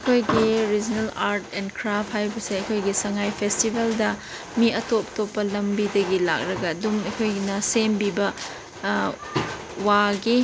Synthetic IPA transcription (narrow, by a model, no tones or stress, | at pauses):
ɐkʰojɡiɾid͡ʒnelaɾtenkʰɾap̚ʰhajbɐseɐkʰojɡisɐŋajpʰestibeldɐ | miɐtop̚topːɐlɐmbidɐɡila̰k̚ɾɐɡɐːdumɐjkʰojnɐsembibɐ | waɡi